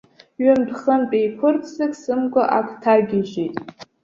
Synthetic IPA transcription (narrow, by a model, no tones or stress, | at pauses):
ɥʊmdχəmt͡pʼejpʷʰʊrtʰzɨkʼsɨmɡʷʼaʔakʷʰtʰaɡʲɪʒejtʼ